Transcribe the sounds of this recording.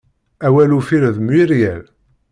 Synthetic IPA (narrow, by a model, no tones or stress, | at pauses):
æwælufiɾðmwiɾjæl